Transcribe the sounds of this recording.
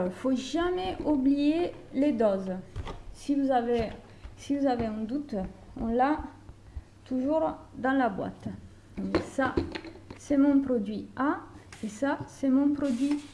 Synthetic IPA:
ʁifoʒamɛublijeled̪ɔz | sivuzave | sivuzaveɛ̃nd̪ut̪ | ɔ̰̃la | t̪uʒuʁd̪ɑ̃labwa̰t̪ | ɔ̃sa | sɛmɔ̃pχɔd̪ɥiaesasɛmɔ̃pχɔd̪ɥi

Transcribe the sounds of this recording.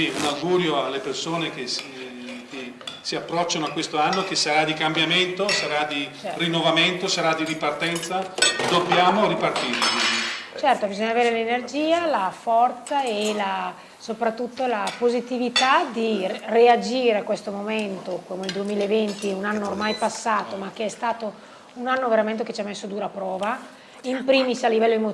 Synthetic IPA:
iunawɡuːɾjoalːepersoːnek̟es | ke | siapːɾɔt͡ʃːanoakwest̪oanːokesaɾad̪ikambjament̪osaɾad̪irinːovament̪osaɾad̪iɾipart̪ɛnt̪sad̪objaːmoɾipart̪iːɾikidit͡ʃɛrt̪obizoɲːaveːɾelenerd͡ʒiːalafɔrt̪saela | sopɾat̪ːut̪ːolapozit̪ivit̪ad̪iread͡ʒiːɾeakːwest̪omoment̪okomeld̪uemiːlaevent̪iunanːoːrmajpasːaːt̪omak̟ːeɛst̪aːt̪o | unanːoveɾament̪̬eket͡ʃamːesːod̪uːɾapɾɔːva | impɾiːmisalːivɛlːoemo

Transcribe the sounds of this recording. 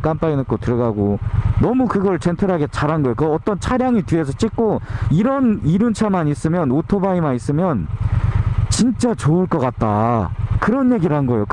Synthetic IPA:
k͈amp͈ainɯk͈otɯɾʌɡaɡonʌmukɯɡʌɭt͡ɕentʰɯɾɦaɡet͡ɕaɾɦanɡʌjokɯʌt͈ʌnt͡ɕʰaɾjaŋitɥie̞sʰʌt͡ɕ͈ik̚k͈oiɾʌniɾɯnt͡ɕʰamanis͈ɯmjʌnotʰobaimais͈ɯmjʌn | t͡ɕint͡ɕ͈at͡ɕoɯɭk͈ʌk͈at̚t͈akɯɾʌnje̞ɡiɾanɡʌjok

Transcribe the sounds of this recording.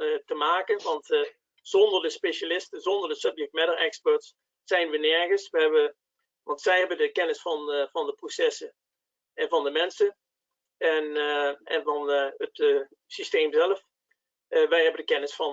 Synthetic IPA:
təmaːkənʋɑnt | z̥ɔndərdəspeʃalɪstənzɔndərdəsɵpjɛk̚t̚mɛdəɹɛkspəɹtsː | ɛjnʋənɛɹɣəsʋəɦɛbə | ʋɑntsɛjɦɛbəndəkɛnɪsfɑnvɑndəprosɛsə | ɛnvɑndəmɛnsən | ɛnɛ̰nvɑnət | sistejmzɛləf | ʋɛjɦɛbəndəkɛnɪsfɑn

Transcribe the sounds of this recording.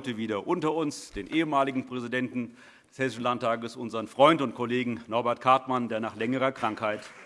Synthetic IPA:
təviːdɐʔʊntɐʊnsd̥eːnʔeːəmaːlɪɡŋ̩pʁ̥ɛzidɛntn̩ | d̥ɛshɛsɪʃn̩lantaːɡəsʔʊnzəʁənfʁ̥ɔʏntʊntkʰɔleːɡŋ̩nɔɐbɛɐt̚kʰaɐtmandeːɐnaːχlɛŋəʁɐkʁ̥aŋkhaɪt

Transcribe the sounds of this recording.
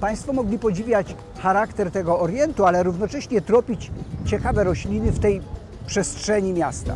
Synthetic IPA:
paj̃st̪fɔmɔɡlʲipɔd͡ʑivʲjat͡ɕ | xaɾakt̪ɛɾt̪ɛɡɔːɾjɛnt̪ualɛɾuvnɔt͡ʂɛɕɲɛt̪ɾɔpʲit͡ɕt͡ɕɛkavɛɾɔɕlʲinɘft̪ɛj | pʂɛstʂɛɲimʲjast̪a̰

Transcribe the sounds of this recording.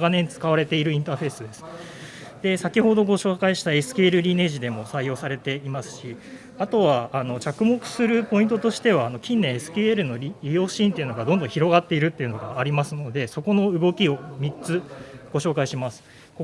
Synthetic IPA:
ɡanẽ̞nt͡sɨ̥kaβaɾe̞t̪e̞iɾɯ̟ĩnt̪aːɸe̞ːsɨd̪e̞sɨ̥d̪̥e̞sakʲiho̞d̪o̞ɡo̞ɕo̞ːkaiɕi̥t̪ae̞sɨ̥kʲeːɾɯ̟ɾʲine̞ʑid̪e̞mo̞saijo̞ːsaɾe̞t̪e̞imasɨ̥ɕi | at̪o̞βaːno̞t͡ɕakɯ̟mo̞kɯ̟̥sɨɾɯ̟po̞ĩnt̪ot̪o̞ɕi̥t̪e̞βaːno̞kʲĩnːẽesɨ̥kʲeeɾɯ̟no̞ɾʲɾʲijo̞ːɕĩnt̪e̞iɯ̟no̞ɡad̪ond̪õçiɾo̞ɡat̪ːe̞iɾɯ̟t̪ːe̞iɯ̟no̞ɡaːɾʲimasɨno̞d̪e̞so̞ko̞no̞ɯ̟ɡo̞kʲio̞mʲitt͡sɨɡ̥o̞ɕo̞ːkaiɕimasɨ̥ | ko

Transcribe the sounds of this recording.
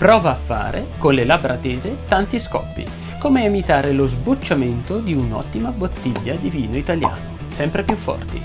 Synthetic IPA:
pɾɔːvaːfːa̰ːɾʔekonlelabɾat̪eːzet̪ant̪iskɔ̰pːḭ | koːmeemit̪aːɾelozbut͡ʃːament̪od̪iunɔ̰t̪ːimabot̪ːiʎːad̪iviːnoit̪alja̰ːno | sɛmpɾepjufːɔ̰rt̪ḭ

